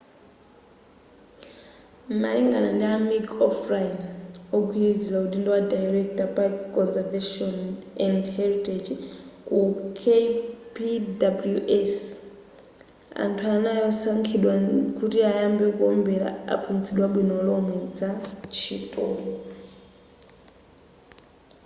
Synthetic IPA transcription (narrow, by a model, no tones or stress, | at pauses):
maliŋɡanandiamikɔfrajnɔɡʱwiɾid͡zilauɗindiwadaiɾɛkʰtapakʼɔnzɛvaʃɔnɛndhɛɾitʼed͡ʒkukʰepidabuljuʔɛs | a̰ntʰuanajɔsaŋkʰiɗwakutiajambɛkuɔmbɛɾa̰a̰pʰunt͡siɗwaɓwinɔlɔmwɛd͡zat͡ʃʰitʼɔːlɔ